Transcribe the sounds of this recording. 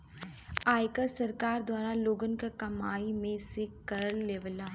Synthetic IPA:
aːjkəɾsɐɾkaːɾd̪waːɾaloːɡənkakɐmaːimẽsekɐɾəleːʋlaː

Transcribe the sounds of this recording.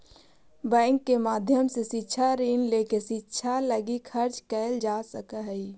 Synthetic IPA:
bɛ̃ːŋkːemaːd̪ʱjəmsesitːʃʰaɾiːnleːkesitːʃʰaləɡikʰəɾt͡ʃkɛːɪld͡ʒaːsəkəɦɛi

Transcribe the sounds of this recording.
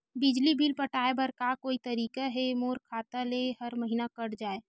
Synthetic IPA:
bɪd͡ʒlibʱilpəʈʰaːebəɾkakoːit̪ɐɾiːkaɦemoːɾkʰaːt̪alehəɾməɦiːnakəɽd͡ʒaːe

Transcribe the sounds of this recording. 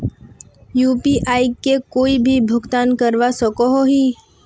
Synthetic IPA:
juːpiʔaːikekoːibʱibʱʊɡt̪aːnkəɾʋasəkoɦoɦiː

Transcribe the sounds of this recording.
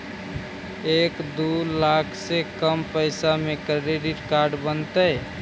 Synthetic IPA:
eːkd̪ulakʰsekəmpəjsamekɾeɾeɖɪʈkaɾɖbənt̪əj

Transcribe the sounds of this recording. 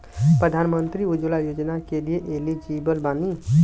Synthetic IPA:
pɾəd̪ʱaːnmənt̪ɾiʊd͡ʒulajoːd͡ʒnakelieʔelid͡ʒibəlbaːni

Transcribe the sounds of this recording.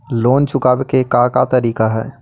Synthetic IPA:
loːnt͡ʃʊkaːbekekãkat̪əɾiːkaɦɛː

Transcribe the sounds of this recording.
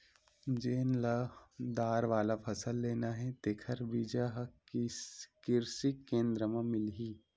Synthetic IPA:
d͡ʒeːnlad̪aːɾʋaːlapʰɐsəlːeːnaɦɛt̪eːkʰəɾbiːd͡ʒaɦ | kɪɾsiẽːnd̪ɾəmẽmɪlɦiː

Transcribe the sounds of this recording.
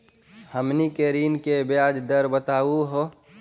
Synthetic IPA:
həmnikeɾiːnkebjaːd͡ʒd̪əɾbət̪aːuɦo

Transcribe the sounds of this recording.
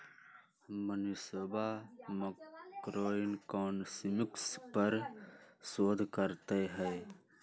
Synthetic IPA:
mənisobaməkɾoːɪnkɔːnsimɪkspəɾ | soːd̪ʱkəɾt̪eɦɛː

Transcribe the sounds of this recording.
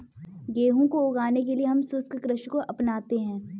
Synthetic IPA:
ɡeːɦõkoʊɡaːnek̬elieɦɐmsʊskkɾɪʃkoʔɐpnaːt̪eɦɛ̃ː

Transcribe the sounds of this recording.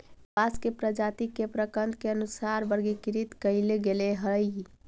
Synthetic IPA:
baskepɾəd͡ʒat̪ikːepɾəkənd̪̚keənusaɾbəɾɡikiɾit̪kəɪleɡeleɦəj

